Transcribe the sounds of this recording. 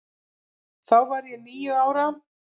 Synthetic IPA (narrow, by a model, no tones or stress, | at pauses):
θawvaɾjɛniːjʏaːwɾa